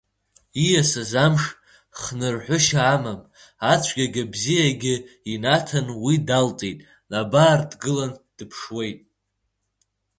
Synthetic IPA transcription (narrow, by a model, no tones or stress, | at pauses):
ijasazamʂ | χnɨrħʷʊʃaːmam | at͡ɕʷʰɡʲaɡʲabzijaɡʲɪinatʰanwidalt͡sʼejtʼ | nabaːrdɡɨland̥ɨpʰʂwe̞jtʼ